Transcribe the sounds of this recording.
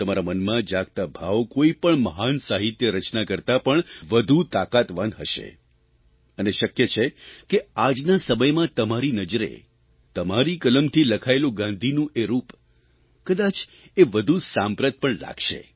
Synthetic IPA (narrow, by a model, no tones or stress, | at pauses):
t̪əmaɾamənmãd͡ʒaɡ̚t̪abʱaʋkoipəɳməɦansaɦit̪jəɾət͡ʃnakəɾt̪apəɳʋəd̪ʱut̪akat̪ʋanɦəʃḛ | əneʃəkjet͡ʃʰekead͡ʒnasəməjmãt̪əmaɾinəd͡ʒɾḛ | t̪əmaɾikələmt̪ʰiləkʰaelõɡãnd̪ʱinũʔeɾup | kəd̪at͡ʃ | eʋəd̪ʱusãmpɾət̪̚pəɳla̰ɡʃḛ